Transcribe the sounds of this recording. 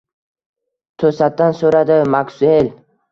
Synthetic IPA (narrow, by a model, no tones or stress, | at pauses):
t̪ʰɵsat̪̚d̪ansɵɾad̪ɪmaksʊel